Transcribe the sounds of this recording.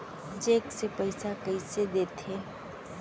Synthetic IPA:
d͡ʒeːksepɐɪsakɐɪsed̪eːt̪ʰeː

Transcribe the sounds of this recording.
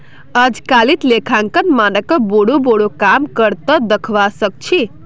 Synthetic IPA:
əd͡ʒkalit̪lekʰãŋkənmanəkːəboɽoboɽokamkəɾt̪əd̪əkʰʋasək̚t͡ʃʰi

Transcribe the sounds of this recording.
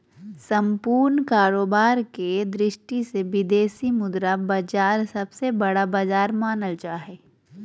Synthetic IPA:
sɐ̃mpuːɾnkaːɾoːbaːɾked̪ɾɪʃʈiseʋɪd̪eːsimʊd̪ɾabɐd͡ʒaːɾsɐbsebɐɽabad͡ʒaːɾmaːnəlt͡ʃaːɦeː

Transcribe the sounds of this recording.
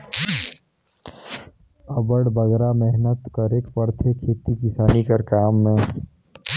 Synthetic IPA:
əbəɽbəɡɾamɛɦnət̪kəɾeːkpəɾt̪ʰekʰeːt̪ikɪsaːnikəɾkaːmːẽ

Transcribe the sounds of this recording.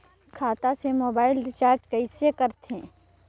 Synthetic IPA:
kʰaːt̪asemoːbaːɪlɖɪt͡ʃaːɾt͡ʃkeɪsekɐɾt̪ẽː

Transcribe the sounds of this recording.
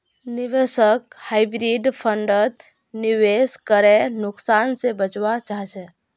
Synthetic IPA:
niʋesək̚hajbɾiɖpʰəɳɖət̪̚ | niweskəɾenʊksansebət͡ʃʋat͡ʃaɦt͡ʃʰɛ

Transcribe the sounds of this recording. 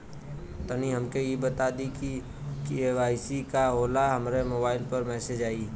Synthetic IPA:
t̪əniɦəmkejebət̪ad̪iki | kiewaːɪsikaɦoːlaɦɐmɾemoːbaːɪlpəɾmɛːsed͡ʒaːi

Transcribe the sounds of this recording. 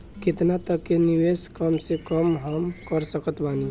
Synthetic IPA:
ket̪nat̪əkːeniʋeskəmsekəmɦəmkəɾsəkət̪bani

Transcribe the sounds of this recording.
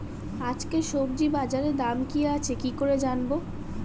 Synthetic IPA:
ad͡ʑkeʃob̚d͡ʑibad͡ʑaɾed̪amkieat͡ɕʰekikoɾed͡ʑanbo

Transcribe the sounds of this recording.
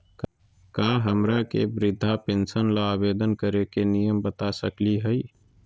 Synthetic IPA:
k | kaɦəmɾakḛbɾɪd̪ʱːapensənlaːbeːd̪ənkəɾekenijəmbət̪asəkliɦɛi

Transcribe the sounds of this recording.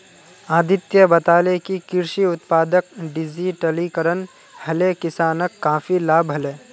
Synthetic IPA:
aːd̪ʱɪt̪jəbɐt̪aːlekikɪɾʃiʊt̪paːd̪ək̚ɖɪziʈɐlikəɾən | hɐlekɪsaːnəkːaːfʰilaːbʱɦɐleː

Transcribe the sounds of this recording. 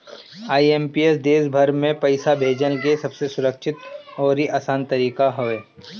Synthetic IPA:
aːiempiesd̪eːsbʱɐɾmẽpɐɪsabʱeːd͡ʒənkesɐbsesʊɾəkʃʰɪt̪ɔːɾiʔaːsaːnt̪ɐɾiːkaɦoeː

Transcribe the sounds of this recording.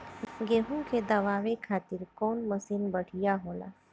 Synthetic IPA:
ɡeːɦũked̪ɐʋaːʋekʰaːt̪ɪɾkɔːnməsinbəɽ̤ijaɦoːla̰ː

